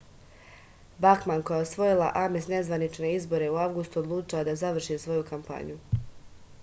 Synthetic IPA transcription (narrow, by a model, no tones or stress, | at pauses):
baxmanko̞jaosʋo̞jilˠa̰ʔamesne̞zʋanit͡ʃne̞izbo̞ɾe̞uaʋɡust̪uod̪lˠuːt͡ʃiad̪azaʋr̩ʃisʋo̞jukampa̰ɲu